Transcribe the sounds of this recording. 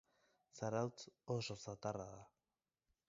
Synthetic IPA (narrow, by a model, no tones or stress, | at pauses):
saɾawt͡soʃosat̪araða